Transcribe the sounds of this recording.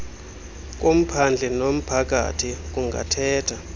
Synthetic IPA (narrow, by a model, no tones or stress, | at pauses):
k̬ʼom̩pʰand͡ɮʱɛnom̩pʰak̬ʼa̰tʰik̬ʼuŋɡʱa̰tʰɛːtʰa